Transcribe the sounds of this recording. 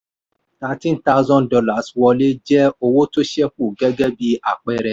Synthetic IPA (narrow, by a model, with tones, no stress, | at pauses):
ta˧˦tĩ˦n˦ta˦ʊ˦zɔ̃˦ndɔ˧la˨swɔ˧le˦d͡ʒɛ˦o˧wo˦to˦ʃɛ˦fu˦˨ɡɛ˦ɡɛ˦bi˧a˦˨k͡pɛ˦ɾɛ˧˦